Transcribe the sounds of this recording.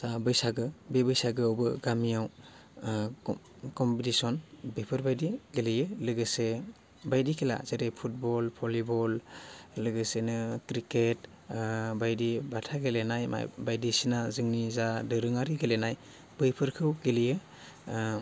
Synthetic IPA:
z̥abɯjsaɡɯbebɯjsaɡɯawbɯɡamijaw | kɔmpitisɔnbɯjpʰɯɾbajdiɡelijɯlɯɡɯse | bajdikʰila̰zeɾepʰut̚bɔlpʰɔlibɔllɯɡɯsenɯkɾiket | bajdibatʰaɡelenajma̰jbajdisinazɯŋnizadɯɾɯŋaɾiɡelenaj | b̥ɯjpʰɯɾkʰɯwɡelijɯ

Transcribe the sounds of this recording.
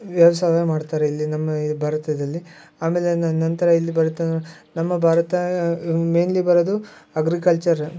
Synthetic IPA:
ʋjɐʋɐsaːɦɐɐmaːɖt̪aːɾeilːinɐmːɐbʱaːɾɐt̪ɐd̪ɐlːi | aːme̞ːlenɐnt̪ɐɾɐilːibɐɾɐt̪ːɐ | nɐmːɐbʱaːɾɐt̪ɐmeːnlibɐɾod̪uɐɡɾikɐlt͡ʃɐɾ

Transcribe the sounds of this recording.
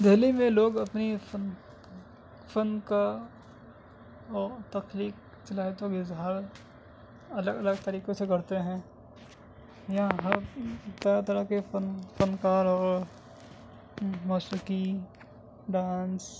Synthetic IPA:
d̪ʱeːlimẽloːɡɐpnifən | fʰənka | ɔːɾt̪ɐkliːk̚ | t͡ʃɐlaːet̪oɡɪzɦaːɾ | ɐləɡɐləɡt̪ɐɾiːkẽsekɐɾt̪eɦɛ̃ː | jɐɦãɦɐt̪ɐat̪ɐɾəkefənfənkaːɾɔːɾ | mɔːʃəki | ɖaːns

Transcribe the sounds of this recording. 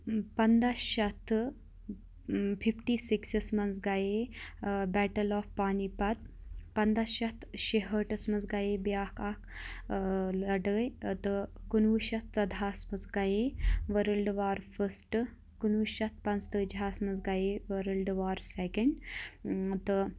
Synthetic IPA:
pɐnd̪asʃɐt̪ʰ | pʰifʈisiksɐsmɐns̬ɡaje | bɛʈəlɔːfpaːnipɐt̪̚pɐnd̪aʃɐt̪ʰʃeɦəʈɐsmɐt͡sɡajebjakak | lɐɽəjt̪ɨɡunʋuʃɐt̪̚t͡sɐd̪ʱasmɐt͡sɡajeʋəɾəlɖʋaːɾfʰəsʈ | ɡ̥unʋuʃɐt̪̚ʰpãnt͡st̪əd͡ʒaːsmɐns̬ɡajeʋəɾəlɖʋaːɾsekeɳɖ | t̪

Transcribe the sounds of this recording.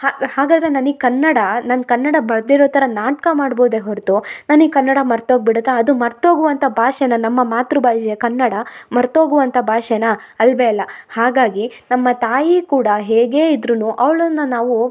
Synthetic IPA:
hahaːɡaːd̪ɾenɐnikɐnːɐɽɐnaːnkɐnːɐɽɐbɐɭd̪iɾoːt̪ʰɐɾɐnaːʈ̚kɐmaːɽboːd̪eɦoɾt̪unaːnikɐnːɐɽɐmɐɾt̪oːɡ̚biɽɐt̪ːaːd̪umɐɾt̪o̞ːɡuʋɐnt̪ʰɐbʱaːʃenɐnɐmːɐmaːt̪ɾubʱaːʃekɐnːɐɽɐmɐɾt̪oːɡuʋɐnt̪ʰɐbʱaːʃenɐ | ɐlbeɐlːɐhaːɡaːɡinɐmːɐt̪aːjikuːɽɐɦeːɡe̞ːid̪ɾunuʔɐʋɭɐnːɐnaːʋu

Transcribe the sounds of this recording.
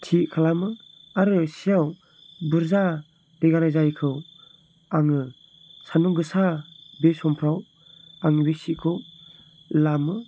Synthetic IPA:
tʰiʔkʰalamɯ | aɾɯsijaw | bɯɾza | d̥eɡaɾajzajkʰɯw | aŋɯ | sanuɡɯsabesɔmpʰɾaw | aŋɯbesikʰɯw | lamɯ

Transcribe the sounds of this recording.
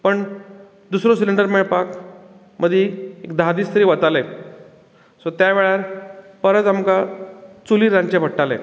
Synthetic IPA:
pəɳ | d̪usɾosiliɳɖəɾmeɭpak | mʔəd̪ʱjeekd̪ʱad̪iːst̪əɾiːʋət̪ale | sot̪jaʋeɭaɾpəɾət͡samkat͡suliːɾãɲt͡ɕebʱəɽʈalḛ

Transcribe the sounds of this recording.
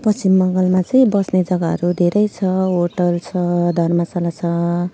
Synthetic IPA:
pʌsimːʌŋɡʌlmat͡sʌĩbʌsned͡zʌɡaɦʌ̰ɾud̪ʱeɾʌjt͡sʰʌɦoʈʌlt͡sʰʌd̪ʱʌrmasalat͡sʰʌ

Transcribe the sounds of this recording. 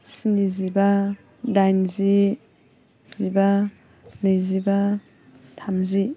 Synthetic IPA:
siniziba | dajnzi | z̥iba | nɯjziba | tʰamzi

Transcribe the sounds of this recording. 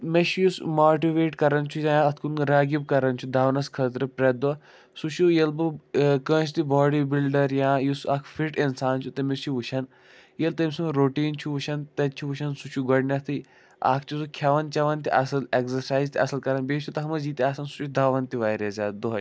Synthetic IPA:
meʃʰjusmaːʈiʋeːʈkɐɾɐnt͡ʃʰujaɐt̪ʰkunɾaːɡib̚kɐɾɐnt͡ʃʰud̪aːʋnɐskʰɐt̪ɾɨpɾɐd̪ɐ | sut͡ʃʰujɐlbɨkə̃ːt͡ʃʰt̪ibɔːɽibilɖɐɾjãːjusakʰfiʈinsaːnt͡ʃʰut̪ɐmisʰuʋuʃʰɐn | jelt̪ɐmʲsuŋɾoːʈiːnt͡ʃʰuʋuʃɐnt̪ɐt͡ʃʰuʋuʃɐnsut͡ʃʰuɡɐɽnʲɐt̪ʰɨ | a̰ːkʰt͡ʃʰusukʲʰaʋɐnt͡ʃɐʋɐnt̪iʔɐsɐlekzɐɾsaːjzt̪iɐsɐlkɐɾɐnbeːt͡ʃʰut̪ɐɦɐmɐzd͡ʒiːt̪iaːsɐnsu̥t͡ʃʰud̪aːʋɐnt̪iʋaːɾɐzʲaːt̪d̪oɦɐ

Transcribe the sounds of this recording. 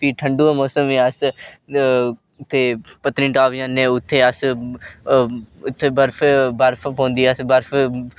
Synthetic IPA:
piːʈʰəɳɖuːãːmoːsəmẽəs | t̪ʰːeːpət̪nĩːʈaːʋjãːnẽːʊt̪ʰːeːəs | ʊt̪ʰːeːbəɾpʰbəɾpʰpõːnd̪iːəsbəɾfʰ

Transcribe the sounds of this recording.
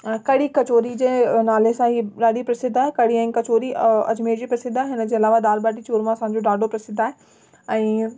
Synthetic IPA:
kɐɽikɐt͡ɕoːɾid͡ʑeːnaːlesãɦiɗaːɗipɾɐsɪd̪ʱaːɦekɐɽiɛ̃ːkɐt͡ɕoːɾiɐ̰d͡ʑmeːd͡ʑiːpɾɐsɪd̪ʱːaːɦeɦɪnəd͡ʑeːɐlaːʋad̪aːɾbaːʈit͡ɕoːɾmãsãːɲd͡ʑoɖaːɖʱopɾɐsɪd̪ʱːaːɦe | ɛ̃ː

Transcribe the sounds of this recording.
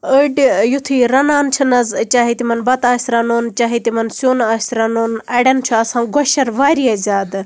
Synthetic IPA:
əɖjut̪ʰiːɾɐnaːnt͡ʃʰɐnɐzt͡ʃaːɦit̪imɐnbɐt̪aːsʲɾɐnoːnt͡ʃaːɦit̪imɐnsjoːnaːsʲɾɐnoːnɐɽɐnt͡ʃʰuɐsãːɡɔʃɐɾʋaːɾiɐzʲaːd̪

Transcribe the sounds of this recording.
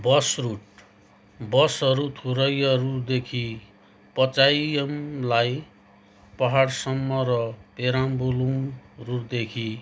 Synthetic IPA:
bʌsruʈ | bʌsʌɾut̪ʰuɾʌjʌrud̪ekʰi | pʌt͡sajʌmlaj | pʌɦaɽsʌmːʌɾʌpeɾambulumruʈ̚d̪ekʰi

